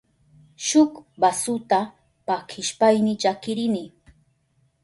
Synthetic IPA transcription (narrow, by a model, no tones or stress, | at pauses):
ʃʊkbasʊt̪a | pakʰɪʃpajmɪt͡ʃakɪɾɪnɪ